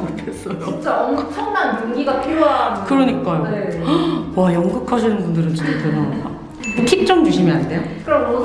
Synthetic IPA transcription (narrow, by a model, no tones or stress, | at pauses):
des͈ʌjoit͡ɕ͈aʌmɯt͡ɕʰʌŋnanjuŋiɡapʰiɾjoɦankɯɾʌɲik͈ajoewajʌŋɡɯkʰaɕʰinɯnbundɯɾɯnt͡ɕintenaa̰ | kʰik̚t͡ɕ͈ʌŋd͡ʑuɕʰimjʌnɦande̞jokɯɾʌmo